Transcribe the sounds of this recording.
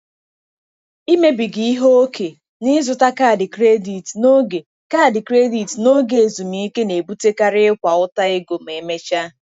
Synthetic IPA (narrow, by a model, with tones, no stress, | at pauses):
i˦me˦bi˨ɡi˨i˦ɦo˦o˦kʰe˨ | nɪ˦zʊ˨ta˦ka˦˨dɪ˨kɾe˦di˨tno˦ɡe˨ | ka˦˨dɪ˨kɾe˦di˨tno˦ɡe˨e˨zu˨mi˨˦i˦ke˦ne˨bu˦te˦ka˦ɾɪ˦ɪ˦kʷa˨ʊ˦ta˦e˦ɡo˨m̩˨e˨me˦t͡ʃa˦